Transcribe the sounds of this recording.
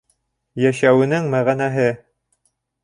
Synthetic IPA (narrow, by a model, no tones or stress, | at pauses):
jæʃæwɘ̆nɘŋmæʁænæɦɘ